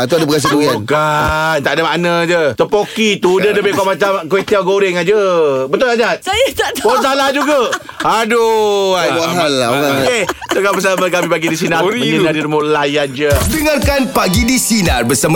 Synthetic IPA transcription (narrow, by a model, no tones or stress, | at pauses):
at̪̬uadapəɡas̬akuɡiankant̪aʔdamaʔnəd͡ʒət̪əpokit̪udədəbekɔʔmat͡ʃamket̪iaɡoɾɪŋad͡ʒəbət̪ʊlad͡ʒat̪̚sajat̪adposalad͡ʒuɡa | aduaaɦalaaket̪əɡabəs̬amakamipaɡidis̬inarəɲənaɾiɾmolajand͡ʒədəŋarkanpaɡidisinarbəsam